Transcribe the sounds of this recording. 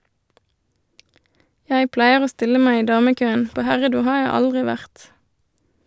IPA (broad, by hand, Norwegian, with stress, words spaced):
ˈjæɪ ˈplæɪəʁ ˈoː ˈstɪlə ˈmæɪ ˈiː ˈdɑːməˌkøːən ˈpoː ˈhæʁəˌduː ˈhɑː ˈjæɪ ˈɑldʁɪ ˈʋæʁt